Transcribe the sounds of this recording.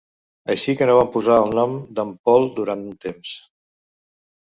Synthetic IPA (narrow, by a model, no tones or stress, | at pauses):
əʃikənoβampuzaːlˠnɔmd̪əmpɔlˠd̪uɾant̪unt̪ems